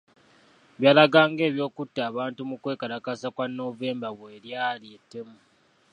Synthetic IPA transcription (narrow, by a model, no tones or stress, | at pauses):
βjaːlaɡaːŋɡe̞ːβjo̞ːkutːaːβaːntumukwe̞ːkalakasakwanːo̞ve̞ːmbaβweːɾjaːlietːe̞mu